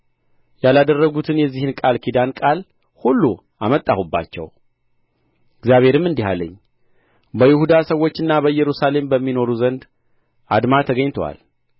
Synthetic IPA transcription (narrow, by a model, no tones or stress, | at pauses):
jalad̪ərːəɡut̪ʰɨnjɛzːihɨnkʼalkʰid̪ankʼal | hulːu | amət̪ʼːahubːa̰t͡ʃːɛ̰w | ɪɡzjaβe̞ɾɨmːɨnd̪iha̰lːə̰ɲː | bəjɪhud̪asəwːo̞t͡ʃːɨnːabəɨjɛɾusale̞mbəmːino̞ɾuzənd̪ | ʔad̪mat̪ʰəɡəɲt̪ʰowa̰l